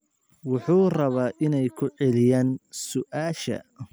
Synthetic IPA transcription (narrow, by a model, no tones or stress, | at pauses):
wʊħuːrɐβaːʔɪnɛjkʰʊʕɛlɪjaːnsʊʔaːʃɐ̰